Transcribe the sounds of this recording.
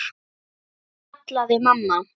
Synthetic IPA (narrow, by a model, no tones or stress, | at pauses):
t̪laðemamːa